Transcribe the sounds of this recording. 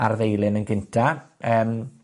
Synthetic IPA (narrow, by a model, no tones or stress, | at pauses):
arðejlˠɪnənɡɪntʰaəːm